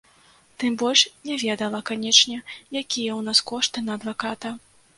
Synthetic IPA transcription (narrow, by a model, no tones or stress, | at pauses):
t̪ɨmbɔlʲʂnʲɛvʲɛd̪ɐlˠɐkanʲɛt͡ʂnʲɛjakʲijɛwnaskɔʂt̪ɨnɐːd̪vakat̪ɐ